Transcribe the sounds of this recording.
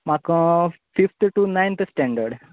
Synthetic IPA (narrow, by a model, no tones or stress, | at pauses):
makːu | fift̪ʈunajnt̪ʰɨsʈeɳɖɐɾɖ